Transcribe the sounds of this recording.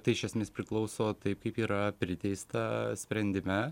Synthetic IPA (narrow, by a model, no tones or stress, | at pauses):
t̪ɐɪɪʃʲɛsʲmʲeːspʲɾʲɪklˠɒʊsoːt̪ɐɪp̚kɐɪpiːɾɐpʲɾʲɪt̪ʲɛɪst̪ɐsʲpʲɾʲɛnʲd̪ʲɪmʲɛ